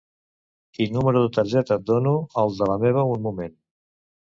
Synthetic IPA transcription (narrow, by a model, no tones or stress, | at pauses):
k̪inːuməɾuðət̪əɾʒɛt̪əd̪onuəlˠd̪ələmeβ̞əunmumen